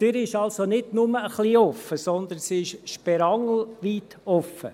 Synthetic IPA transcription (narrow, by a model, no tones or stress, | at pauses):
d̥yɾɪʃɑlsonɪdnʊməəχliːɔfəsɔnd̪ənsiɪʃʃpɛɾɑŋl̩ʋiːt̪ | ɔfːə̰